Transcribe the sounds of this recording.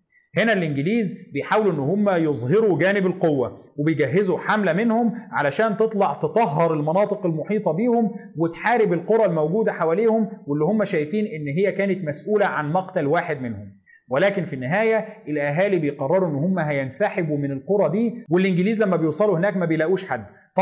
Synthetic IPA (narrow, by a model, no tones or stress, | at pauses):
henælʔɪnɡɪliːzbejħaːwluʔenːʊhomːæjozˤɦeɾuɡæːnɪbælqowːæwebejɡæɦːezuħamlæmenhomʕalæʃæːnt̪et̪ˤlɑʕt̪et̪ˤɑɦːɑɾˤelmɑnɑːt̪ˤɨqelmoħiːt̪ˤɑbiːhomwɪt̪ħaːɾɪbɪlqoɾˤɑlmæwɡuːd̪æħawæːleːhomwelːihomːæʃæːjfiːnʔɪnːɦɪjːækæːnɪt̪mæsʔuːlæʕanmɑqt̪ælwaːħed̪mɪnhʊm | welæːkɪnfinːɪɦæːjæʔɪlʔæɦæːlibejqɑrˤːɑɾˤuʔenːʊhomːæɦæjænsaħɪbumɪnɪlqoɾˤɑd̪iːwelʔɪnɡɪliːzlæmːæbejuːsˤɑluhenæːkmæbejlæːʔuːʃħad̪ː | t̪